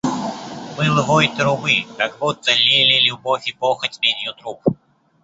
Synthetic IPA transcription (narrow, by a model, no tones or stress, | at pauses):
mɨlˠɦɔjt̪ɾʊbɨkaɡbut̪ːɛlʲilʲilʲubɔfʲipɔxɐtʲmʲenʲjut̪ɾup̚